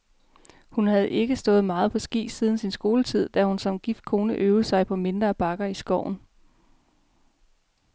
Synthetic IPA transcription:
hunhæð̩ˠe̝ɡ̥əsd̥ɔ̽ːð̩ˠmɑ̈ːð̞̩ˠpʰɒ̽sɡ̥ḭːsiːð̞ˠn̩sinsɡ̥o̝ːlət͡sʰið̞̰ˠd̥æhunsɒ̽mɡ̥ifd̥̚kʰo̝ːnəʔøːʊəsɑ̈ɪpʰɒ̽me̝nd̥ʁɐːb̥ɑ̈ɡ̥ɐisɡ̥ɒʊ̰n̩

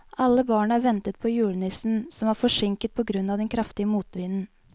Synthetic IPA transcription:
ʔɑlːəbɑːɳəæːɾʋɛnt̪ət̪̚pʰɔjʉːɭnɪsn̩sɔmʋɑːɾfɔʂɪŋkət̪̚pʰɔɡɾʉnːɑːʋd̪ɛnkʰɾɑft̪ɪəmuːt̪ʋiːnn̩

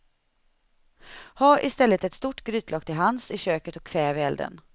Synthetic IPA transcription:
haːɾʔɪst̪ɛlːət̪ɛt̪st̪uʈːɡɾy̟ːt̪ʰlɑːk̚t̪ʰɪlɦansɪɕøːkət̪ɔkʰːvɛːvɪɛld̪ə̰n

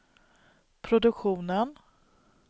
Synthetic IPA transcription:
pʰɾʊd̪ɵkɧuːnən

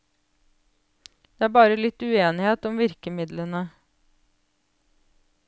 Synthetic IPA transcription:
d̪̥eːæːbɑːɾəlɪt̪ʉeːnɪheːt̪ɔmʋɪɾkəmɪd̪lənə

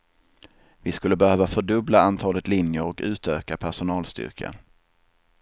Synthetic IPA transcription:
vɪskɵlːəbɛhøːvafœɖɵblaant̪ʰɑːlət̪lɪnjəɾɔkʉ̟ːt̪øːkapʰæʂʊnɑːlst̪ʏ̰ɾkʰa̰

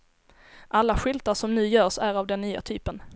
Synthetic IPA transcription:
ʔalːaɧʏlt̪aʂɔmnʉ̟ːjœːʂæɾavd̪ɛnːyːa̰t̪ʰyːpən

